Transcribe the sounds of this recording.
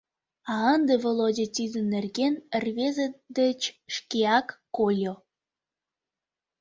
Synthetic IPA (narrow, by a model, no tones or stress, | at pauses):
ɑənd̪evolˠodʲet̪ʲid̪ə̆nːerɣenərβezəd̪ət͡ɕʃkiɑkːolʲo